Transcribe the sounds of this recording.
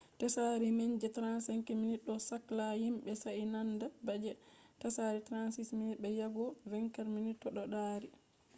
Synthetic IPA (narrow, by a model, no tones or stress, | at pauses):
tasaɾimeɲd͡ʒɛtɾansaŋkiminiɗɔsaklahimbɛsainandabad͡ʒɛtasaɾitɾansisminiɓɛjaɡɔvɛŋkaɾminitːɔɗɔɗaɾi